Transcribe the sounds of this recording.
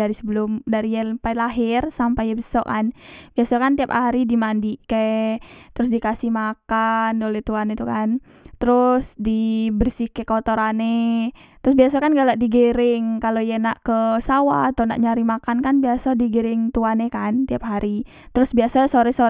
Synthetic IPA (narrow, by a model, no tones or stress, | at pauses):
aɾisəbəlʊmdaɾijɛpajlaɦɪrsampajɛbəsɔkanbiasakant̪iap̚haɾidimandiket̪əɾʊs̬dikasihmakanolɛht̪uanːet̪ukan | t̪əɾʊsdibərsihkəkəot̪oɾanet̪əɾʊs̬biasakanɡalaʔdiɡəɾɪŋkalojanaʔkəsawa̰ːt̪ona̰ʔɲaɾimakankanbiasadiɡəɾɪŋt̪uanekant̪iap̚haɾi | t̪əɾʊsbiasasoɾɛso